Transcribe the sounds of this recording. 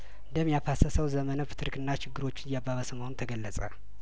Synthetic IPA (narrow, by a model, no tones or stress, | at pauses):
ɨnd̪əmːjafasəsəwzəmənəfɨ̥t̪ʰɨɾkɨnːat͡ʃɪɡːɨɾo̞t͡ʃːɪnjabːaβəsəmawnt̪ʰəɡəlːət͡sʼa̰